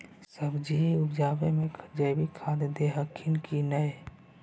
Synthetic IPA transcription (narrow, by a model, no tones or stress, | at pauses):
səbd͡ʒiʊbd͡ʒaːbemẽkʰd͡ʒəbʱikʰãd̪d̪eɦəkʰːinkinəj